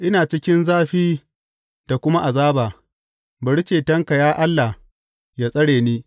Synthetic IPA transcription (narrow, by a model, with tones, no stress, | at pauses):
ʔɪ˦naː˨t͡ʃɪ˦kʲɪ˦nzaː˦ɸiː˦ | d̥a˨kʷʊ˦ma˦ʔa˨zaː˦baː˨ | bɐ˨ɽi˦t͡ʃeː˨tɐ˦ŋka˨jaː˦ʔa˦lːa˨h | jaː˦sʼɐ˦ɽeː˨niː˦